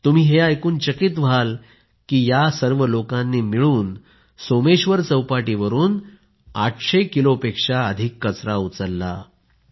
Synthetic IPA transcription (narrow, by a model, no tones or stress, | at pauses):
t̪um̤iːɦeajkuːnt͡ɕəkit̪ʋ̤al | kiːjasəɾʋəlokãnːiːmiɭuːn | someɕʋəɾt͡səwpaʈiːʋəɾuːn | aʈʰɕekilopekʂaəd̪ʱikːət͡sɾaut͡səlːa̰